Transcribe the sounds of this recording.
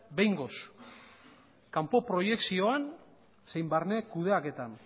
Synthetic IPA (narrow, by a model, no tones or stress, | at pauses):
be̞jŋɡo̞s | kampo̞pɾo̞je̞ksio̞an | sejmbarne̞kuð̞e̞ake̞t̪an